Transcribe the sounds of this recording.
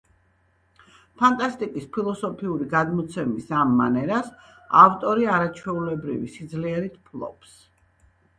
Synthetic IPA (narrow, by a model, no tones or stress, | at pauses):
pʰant̪ʼast̪ʼikʼispʰilˠɔsɔpʰiuɾiɡad̪mɔt̪sʰɛmisamːa̰nɛɾas | aft̪ʼɔɾiaɾat͡ʃʰwɛulɛbɾḭvḭsid̪zliɛɾit̪ʰpʰlˠɔ̰ps